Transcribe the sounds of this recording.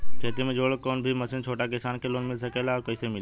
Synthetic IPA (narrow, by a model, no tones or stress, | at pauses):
kʰeːt̪imẽd͡ʒoːɽkoːnbʱiməsɪnt͡ʃʰoːʈakɪsaːnkʰeloːnmɪlsəkeːlakəɪsemɪl